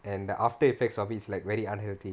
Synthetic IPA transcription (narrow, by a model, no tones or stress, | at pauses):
ɛ̃ndəʔaftəifɛk̚sɔfislaɪkʋɛɾiãnɦɛlt̪i